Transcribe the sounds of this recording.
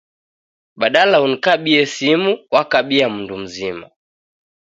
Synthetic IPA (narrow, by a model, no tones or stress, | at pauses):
ɓaɗalaunikaɓiɛsimuwakaɓiam̩ndum̩zima̰